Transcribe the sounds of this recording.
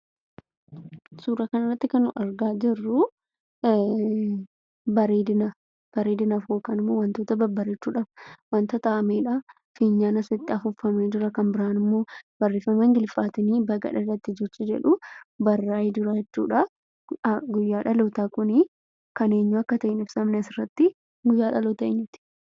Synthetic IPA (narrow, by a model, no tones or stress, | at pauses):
suːɾɐkɐnɪrːɐt̪ːɪkɐnʊʔɐɾɡaːd͡ʒɪrːʊ | bɐɾiːd̪ɪnɐ | b̥ɐɾiːd̪ɪnɐfoːkɐnɪmːo̞ːwɐnt̪oːt̪ɐbɐbɐɾɛt͡ʃːuːᶑaːfwɐnt̪ɐt̪ɐʔɐmeːᶑɐ | fiːɲːaːnɐsɐt̪ːɪɐfʊfːɐmeːd͡ʒ̪ʊɾɐkɐmbɪɾaːnɪmːoːb̥ɐrːiːfɐmɛŋɡɪlfaːt̪ɪniːbɐɡɐ̰ᶑɐrːɐt̪ːɪd͡ʒɛt͡ʃːɪd͡ʒɛ̰ᶑʊbɐrːaːjɪd̪ʊɾɐd͡ʒɛt͡ʃːṵːᶑɐ | ɡʊjːaːᶑɐloːt̪aːkʊnɪ | kɐneːɲːuɐkːɐt̪ɐʔɪnɪbsɐmnɛsɪrːɐt̪ːɪ | ɡʊjːaːᶑɐloːt̪ɐʔɪɲːɪt̪ɪ̥